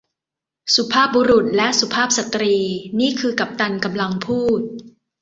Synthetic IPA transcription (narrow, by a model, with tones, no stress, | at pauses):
su˨˩˦pʰaː˥˩p̚buː˧ɾu˨˩t̪̚lɛ˦˥ʔsu˨˩pʰaː˥˩p̚sa˨˩t̪ɾiː˧niː˥˩kʰɯː˧ka˨˩p̚t̪a˧nka˧mla˧ŋpʰuː˥˩t̪̚